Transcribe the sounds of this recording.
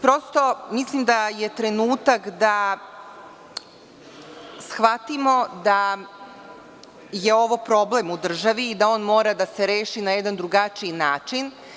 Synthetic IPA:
pɾo̞st̪o̞mislimd̪aje̞t̪ɾe̞nuːt̪akd̪a | sxʋat̪imo̞d̪a | je̞o̞ʋo̞pɾo̞ble̞mud̪r̩ʒaʋiːd̪ao̞ːnmo̞ːɾad̪ase̞ɾe̞ːʃinajed̪and̪ɾuɡat͡ʃiinaːt͡ʃin

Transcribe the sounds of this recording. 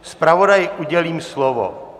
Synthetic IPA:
spɾavodajɪʔuɟɛliːmslovo̰

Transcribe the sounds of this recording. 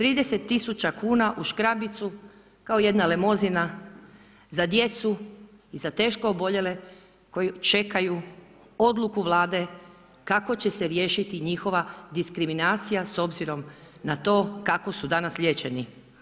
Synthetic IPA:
t̪ɾiːd̪e̞set̪ːisut͡ɕakuːnaʔuʃkɾabit̪su | kao̞je̞d̪nale̞mo̞zina | zad̪je̞t̪su | izat̪e̞ːʃko̞obo̞ʎe̞le̞ | ko̞jit͡ʃe̞kaju | o̞d̪lukuʋlˠaːd̪e̞ | kako̞t͡ɕe̞seɾje̞ːʃit̪iɲixo̞ʋad̪iskɾiminaːt̪sijaso̞bziɾo̞mnat̪o̞ːkako̞sud̪anasʎʲje̞t͡ɕe̞ni

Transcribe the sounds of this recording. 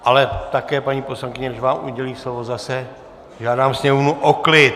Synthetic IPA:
ʔalɛt̪akɛːpaɲiːpo̞slaŋkɪɲɛdɪʒvaːmʔṵɟɛliːslovozasɛ | ʒaːdaːmsɲɛmovnuʔoklɪt̪

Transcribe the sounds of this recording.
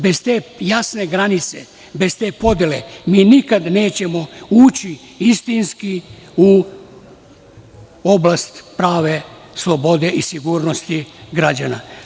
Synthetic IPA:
be̞zt̪eːjasne̞ɡɾanit̪sḛ | be̞zt̪eːpo̞d̪jele̞miːnikad̪ne̞ːt͡ɕe̞mo̞uːt͡ɕi | ist̪inskiu | o̞blast̪pɾaːʋe̞ | slˠo̞bo̞d̪eʔisiɡuːɾno̞st̪iɡɾad͡ʑana̰

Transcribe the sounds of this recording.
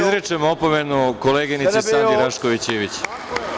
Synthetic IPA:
izɾet͡ʂemoopomenukoleːɡinisessaːnd̪iɾaʃkoʋit͡ɕeːʋit͡ɕ

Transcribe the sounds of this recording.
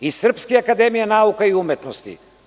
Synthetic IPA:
isr̩pskiakad̪ɛmijanaukaiumɛt̪nost̪ḭ

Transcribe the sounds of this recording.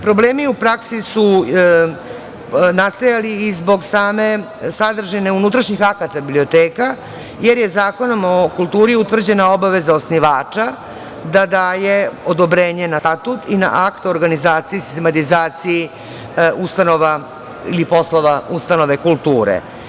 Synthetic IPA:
pɾo̞bleːmiupɾaksisu | nast̪ajaliːzbo̞ɡsaːme̞ | sad̪r̩ʒeneunut̪ɾaʃɲixakat̪abiblio̞t̪eːka | jeɾjezaːko̞no̞mokulˠt̪uːɾiut̪ʋr̩d͡ʑe̞nao̞baʋe̞zaosniʋaːt͡ʂa | d̪ad̪aːje̞od̪obɾeːɲe̞nast̪at̪ut̪ina̰ʔakt̪o̞ɾɡanizaːt̪sijisi̥st̪emat̪izaːt̪siji | ust̪ano̞ʋa | ḭlipo̞slo̞ʋaust̪ano̞ʋe̞kulˠt̪uːɾḛ

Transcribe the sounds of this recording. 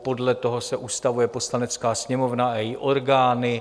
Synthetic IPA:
po̞dlɛt̪o̞ɦo̞sɛʔuːst̪avujɛpo̞slanɛt͡skaːsɲɛmo̞vnaɛjɪʔo̞ɾɡaːnɪ

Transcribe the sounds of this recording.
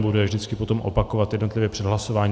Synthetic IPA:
budɛvʒdɪt͡skɪpo̞t̪o̞mʔo̞̰pako̞vat̪jɛdno̞t̪lɪvjɛpr̥ɛdɦlaso̞vaːɲ

